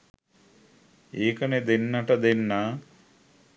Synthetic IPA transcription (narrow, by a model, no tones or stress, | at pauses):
eːkɐned̪enːɐʈɐd̪enːa